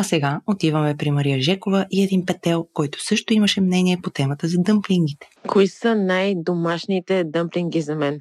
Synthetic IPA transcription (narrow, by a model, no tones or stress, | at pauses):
ɐsɛɡaot̪ivəmɛpɾimɐɾijəʒɛkovəʔiɛd̪inpɛt̪ɛlˠkɔjt̪ʊ̥sɤʃt̪oimɐʃɛmnɛniɛpot̪ɛmət̪əzɐd̪ɤmpliŋɡ̟it̪ɛ̥kʰoisənajd̪omaʃnit̪ɛd̪ɤmpliŋɡizɐmɛn